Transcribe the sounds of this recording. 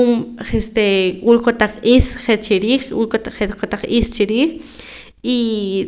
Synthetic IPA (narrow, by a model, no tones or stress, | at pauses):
mχest̪ekʼulkot̪aq͡χʔiːsχet͡ʃiɾiːχkṵlk̪χekot̪aq͡χʔist͡ʃiɾiːχ | i